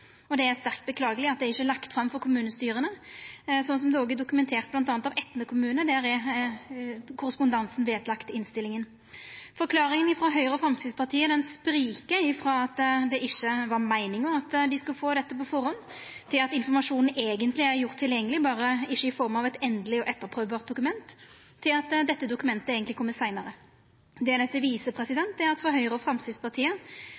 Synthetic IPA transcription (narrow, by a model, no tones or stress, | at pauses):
ɔd̪ɛæɾst̪æʁkt̪̚bəkʰlɑːɡəlɪɑt̪̚d̪ɛæɾɪçːəlɑkt̪fɾɑmːfɔɾkʰʊmʉːnəst̪yːɾənəsɔnːəs̬ɔmd̪ʉoːɡɛd̪ʊkʉmɛnt̪ʰeːʁt̪blɑnt̪ɑːnt̪ɑʋɛt̪ːnəkʰʊmʉːnəd̪æːɾæɾ | kʰʊɾəspʊnd̪ɑnsn̩ʋeːd̪lɑkt̪ɪnst̪ɪlɪŋən | fɔɾkʰlɑːɾɪŋənɪfɾɑɦœʏɾəfɾɑmskɾɪt̪spʰɑʁt̪ʰiːəd̪ɛnspɾiːkəɪfɾɑːɑt̪d̪ɛʔɪçːəʋɑʁmæɪnɪŋɔmɑt̪d̪ɪskʉlfoːd̪ɛt̪ːəpɔfɔɾɔnt̪ʰɪlɑt̪ɪnfɔʁmɑʂuːnn̩eːɡənt̪lɪæɾjʊʁt̪ʰːɪljɛŋːəlɪbɑːɾəɪʃːəɪfɔɾmɑʋɛt̪ɛnd̪lɪɔʔɛt̪ːəɾpʰɾøːʋbɑːʁt̪̚d̪ʊkʉmɛnt̪ʰː | ɪlɑt̪d̪ɛt̪ːəd̪ʊkʉmɛnt̪əeːɡənt̪lɪkʰɔmːət̪sæɪnəɾə | d̪ɛæd̪ɛt̪ːəʋiːsəpʰɾɛsɪd̪ɛnt̪æɾɑt̪fɔɦœʏʁɾəɔfɾɑmst̪ɪd̪spʰɑʁt̪ʰiːə